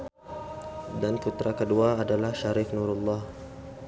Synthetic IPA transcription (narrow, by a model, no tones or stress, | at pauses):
dankut̪ɾakəduaːdalahʃaɾɪknuɾulːɑh